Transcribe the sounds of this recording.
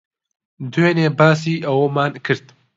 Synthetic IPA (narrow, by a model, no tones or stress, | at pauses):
d̪weːneːbaːsiːʔɐwomaːnkʰɨɾt̪